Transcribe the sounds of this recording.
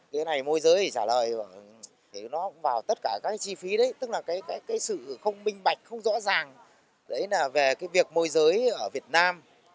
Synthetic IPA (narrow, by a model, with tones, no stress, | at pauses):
ke˨˦na˨˩jmo˧jzəː˨˦jt͡ɕaː˧˩ləː˨˩jəː˧˩ | t̪ʰi˨˩nɔ˨˦kʊ̰˧˥ŋ͡mvaː˨˩wt̪ə˦˥t̚kaː˧˩kaː˦˥kːa˨˦t͡ɕi˧fi˨˦ɗə˨˦jt̪ɨ˦˥k̚laː˨˩kaː˨˦jkaː˨˦jkaː˨˦jsɨ̰˧˨xə˧wŋ͡mmï˧ŋ̟ɓa˨˩jk̟̚xə˧wŋ͡mzɔ̰˧˥zaː˨˩ŋ | ɗə̰˧˦jlaː˨˩ve˨˩kaː˨˦jvi˨˩ək̚mo˧jzəː˨˦jʔʔəː˧˩vi˨˩ət̚naː˧m